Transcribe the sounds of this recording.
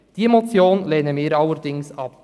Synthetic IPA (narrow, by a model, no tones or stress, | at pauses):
d̥iemot͡sjoːnleːnəmɪːɾɑlːəɾd̥ɪŋsɑp̚